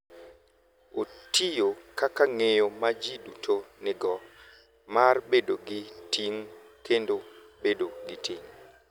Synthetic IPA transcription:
otijokakaŋejomad͡ʒidutʰonɪɡɔ | marbedoɡɪtiŋ | kʰendo | bedoɡɪtʰiŋ

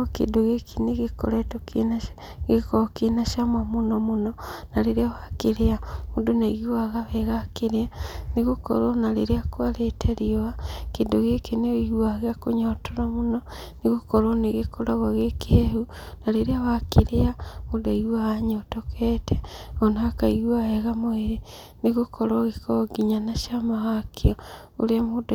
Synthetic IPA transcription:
kḛdoɣekʰineɣeko̰ɾetokenaʃ | ɣekookenaʃamamunomonɔnaɾeɾjawakeɾeaudonaiɣwaɣaβeɣakeɾeaniɣoko̰ɾonaɾeɾeakwaletʰeɾioakedoɣekeneihwaɣeakoɲotoɾamono | niɣokoɾoneɣekʰoɾaɣoɣekeehunaleɾeawakeɾeamodaiɣwaɣaɲotokʰeteonaakaiwaheɣamoeɾe | niɣokʰoɾoɣekoɡiɲanaʃamawakʰeo | o̰ɾeamod

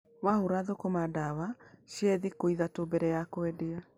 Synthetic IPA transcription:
wahuɾaðokomadawaʃiɛðikoiðatobɛɾɛjakoɛdea

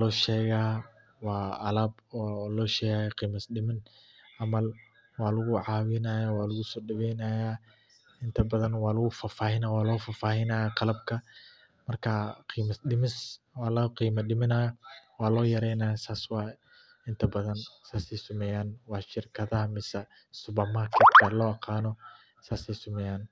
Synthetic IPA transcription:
lɔːʃɛːɣaː | wɑːʔɐlaːbɔːlɔːʃɛːɣaːjɐqiːmɐsɗɪmɪn | ʔɐmɐl | wɑːlʊɣʊʕɑːwɪnɐjaːwɑːlʊɣʊsɔːɖɐβɛjnɐːjaː | ɪnt̪ʰɐbɐðɐnwɑːlʊɣʊfaːfaːhɪnawɑːlɔːfaːfaːhɪnɐːjaqɑlɐb̚kʰɐ | mɐrkʰɐqiːmɐsɗɪmɪs | wɑːlɐqiːmɐɖɪmɪnɐjɐwɑːlɔːjɐɾɛjnɐːjasaːswɑː | ɪnt̪ʰɐbɐðɐnsaːsɛjsʊmɛjaːnwɑːʃɪrkʰɐðɐɦɐmɪsɐ | sʊbɐmarkʰɐt̪kʰɐlɔːɑqʰɑːnɔ | saːsɛjsʊmɛjaːn

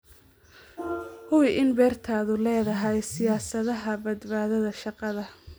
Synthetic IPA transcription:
hʊwɪʔɪnbɛːrt̪ʰaːðʊlɛːðɐɦɛjsɪjaːsɐðɐɦɐbɐd̪baːðɐðɐʃɑqɑðɐ

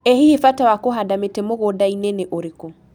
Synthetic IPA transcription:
ehihifatawakoɦadametɛmoɣodaineneʔoɾeko

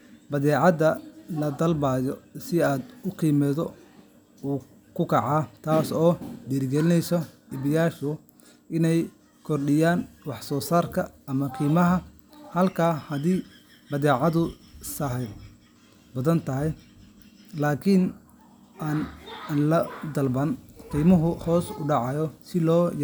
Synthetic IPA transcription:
bɐðɛːʕɑðɐlɐd̪ɐlbaːjɔsɪaːd̪ʊqiːmɛːðɔ | uː | kʰʊkʰɐʕɑːt̪ʰaːsɔːd̪iːɾɡɛlɪnɛjsɔ | ɪβɪjaːʃʊ | ʔɪnɛj | kʰɔrɗɪjaːnwɑħsɔːsaːrkʰɐɐmɐqʰiːmɐɦɐ | hɐlkʰaːhɐðiː | bɐðɛːʕɑðʊ | sɐɦɛ | bɐðɐnt̪ʰɐɦɛj | laːkʰɪn | ʔaːnlɐd̪ɐlbɐnqiːmɐɦʊhɔːsʊɖɑʕɑjɔsɪlɔːj

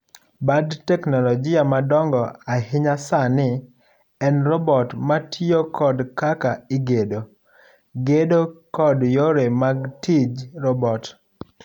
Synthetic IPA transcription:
badtɛknɔlɔd͡ʒɪamadɔŋɡɔahɪɲasanɪ | ɛnrɔbɔtmatʰiokʰɔdkakaɪɡedo | ɡedokɔdjoɾemaɡtid͡ʒɾɔbɔt

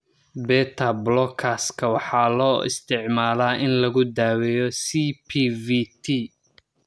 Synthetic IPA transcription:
bɛːt̪ʰɐblɔkʰaskʰɐwɑħɑːlɔːʔɪ̰st̪ʰɪʕmaːlaːʔɪnlɐɣʊd̪aːwɛjɔsipʰivit̪ʰi

